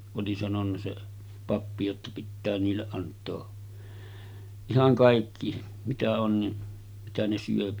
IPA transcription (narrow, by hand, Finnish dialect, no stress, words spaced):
oli sɑnonːɑ se pɑpːi jotːɑ pitːæː niːlːeʔ ʔɑntˑoː ihɑŋ kɑˑikːi mitæ on ni mitæ ne syøpi